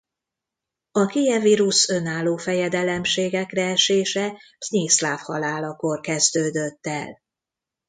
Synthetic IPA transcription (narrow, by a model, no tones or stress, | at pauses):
ɒkeːjɛviɾusø̞naːlːoːfɛjɛd̪ɛlɛmʃeːɡɛkrɛɛʃeːʃɛbznislaːfhɒlaːlɒkorkɛzd̪øːd̪øt̪ːɛ̰l